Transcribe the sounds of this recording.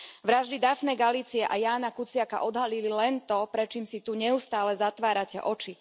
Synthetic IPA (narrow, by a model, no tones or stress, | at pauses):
ʋɾaʒd̪id̪afnɛːɡaliːt͡siɛʔajaːnakut͡sɪaka̰ʔɔd̪ɦalililɛnt̪ɔpɾɛt͡ʃiːmsit̪uɲɛust̪aːlɛzat̪ʋaːɾacɛ̰ʔɔt͡ʃi